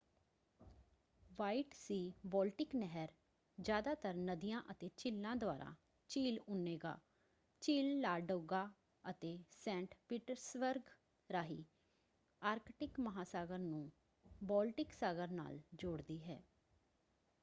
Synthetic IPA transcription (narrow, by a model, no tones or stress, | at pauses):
ʋaːiʈsiːbɔːlʈɪknɛɦəɾ | d͡ʒjaːd̪aːt̪əɾnəd̪ijãːʔət̪eːt͡ʃɪlːãːd̪ʊa̰ːɾʔã̰ː | t͡ʃiːlʊnːeːɡa̰ː | t͡ʃiːlːaːɖoːɡaː | ət̪eːsɛ̃ːɳʈpiːʈəɾsbəɾɡ | ɾaːɦiː | aːɾkʈɪkməɦaːsaːɡəɾnũː | bɔːlʈɪksaːɡəɾna̰ːld͡ʒoːɽd̪iːɦɛ̰ː